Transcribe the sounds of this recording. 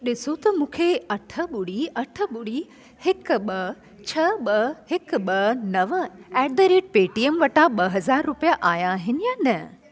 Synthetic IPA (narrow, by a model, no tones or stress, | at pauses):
ɗɪsot̪ɐmũːkʰeɐʈʰə̆ɓʊɽiɐʈʰə̆ɓʊɽi | hɪkɓɐ | t͡ɕʰɐɓɐhɪkɓɐnɐʋəɛːdɐɾeːʈ̚peːʈiemʋɐʈaɓɐɦɐzaːɾːʊpijaʔaːjaɦɪnɪ̆jaːnɐ